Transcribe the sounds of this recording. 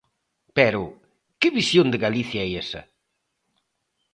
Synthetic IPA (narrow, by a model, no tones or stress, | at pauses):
pɛɾʊ | kɪβisjond̪eɣaliθjaɛjesɐ̰